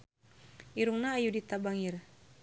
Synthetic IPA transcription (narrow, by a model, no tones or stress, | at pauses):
iɾuŋnaːjudit̪abaŋir